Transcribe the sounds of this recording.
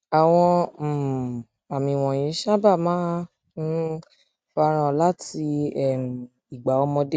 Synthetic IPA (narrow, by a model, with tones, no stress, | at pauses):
a˨w̃ɔ̃˧˨ | a˨mĩ˨w̃ɔ̃˨j̃ĩ˨˦ʃa˦ba˦˨mãː˦ | n̩˦ | fa˧ɾ̃ã˨la˦ti˧ɛ˦˨m˨ | i˨ɡ͡ba˨˦ɔ˧mɔ̃˧de˦